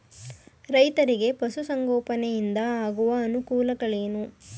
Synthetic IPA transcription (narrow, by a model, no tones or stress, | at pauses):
ɾɐjt̪ɐɾiɡe̞pɐsusɐŋɡɔːpɐnɛjind̪ɐaːɡuʋɐːnukuːlɐɡɐɭeːnu